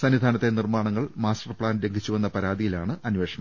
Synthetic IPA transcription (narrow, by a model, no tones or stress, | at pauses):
sɐnːid̪ʱaːnɐt̪ːe̞nirmaːɳɐŋːɐɭmaːstɐrpɭaːnɾeŋɡʱit͡ɕːuʋenːɐpɐɾaːd̪ijilaːɳɨʔɐnʋe̞ːʂɐɳɐ